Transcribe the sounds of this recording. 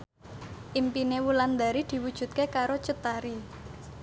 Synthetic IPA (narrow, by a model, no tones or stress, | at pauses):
ʔimpinewuland̪aɾid̪̥i̤wud̥ʒ̥ṳt̪̚kekaɾot͡ʃət̪aɾi